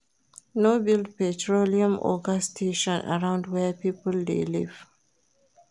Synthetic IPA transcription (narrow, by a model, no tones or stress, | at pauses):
nobild̚pɛtɹoliãmʔɔ̰ɡastʰeʃɔ̃nʔa̰ɹãʊ̃ndwɛpiːpəldḛlḭv̥